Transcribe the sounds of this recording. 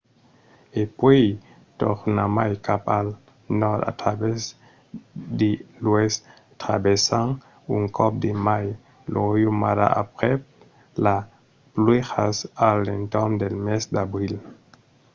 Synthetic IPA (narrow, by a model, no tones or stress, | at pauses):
epwej | t̪oχnamajkapal | nɔda̰tɾabes | dilues | t̪ɾabesaŋ | uŋkʰɔp̚d̪emaj | lʔojumaɾa̰a̰pʁep | la | plwexasalent̪ɔmd̪elmesd̪abɾil